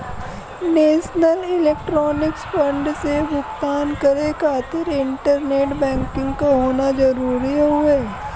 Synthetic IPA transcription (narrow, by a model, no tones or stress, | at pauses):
neːʃnəlɪleːkʈɾɔːnɪksfə̃ɳɖsebʊkt̪aːnkəɾekʰaːt̪ɪɾɪ̃ɳʈəɾneːʈbɛ̃ːŋkɪ̃ŋɡkoɦoːnad͡ʒɐɾuːɾiɦɦʊeː